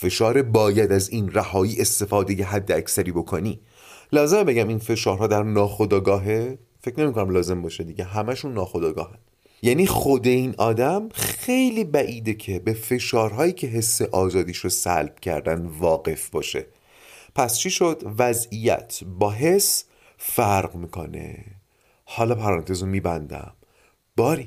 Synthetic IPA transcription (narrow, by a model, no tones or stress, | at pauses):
fe̞ʃɒːɾebɒːjæd̪æziːnræhɒːjiːʔe̞st̪e̞fɒːd̪e̞jeɦæd̪ːeæcsæɾiːbo̞kʰoniː | lɒːzemebe̞ɟæminfe̞ʃɒːɾɦɒːd̪æɾnɒːxo̞d̪ɒːɡɒːɦe | fe̞cʰne̞mikʰonæmlɒːze̞mbɒːʃed̪iɟeɦæmæʃunːɒːxod̪ɒːɡɒ̰ːɦæn | jæːniːxod̪e̞iːnʔɒːd̪æmxe̞jliːbæʔiːd̪e̞cʰe̞be̞fe̞ʃɒːɾɦɒːjiːcʰe̞ɦe̞sːe̞ʔɒːzɒːd̪iːʃosæ̰lb̥̚cʰæ̰ɾd̪ænvɒːɡe̞fbɒːʃe̞̰ | pʰæst͡ʃʰiːʃod̪væzijæ̰t̪ʰbɒːɦe̞s | fæɾɢmiːkʰo̞̰ne̞̰ | hɒːlɒːpʰæɾɒːnt̪ʰe̞zomiːbænd̪æ̰m | b̥ɒːɾi